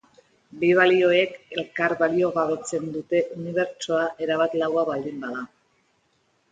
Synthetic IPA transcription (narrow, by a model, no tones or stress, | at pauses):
biβ̞alio̞e̞ke̞lkaɾβalio̞ɣaβ̞e̞t͡se̞nd̪ut̪e̞ʔuniβ̞e̞ɾt͡ʃoaʔe̞ɾaβat̪lawaβald̪imbaða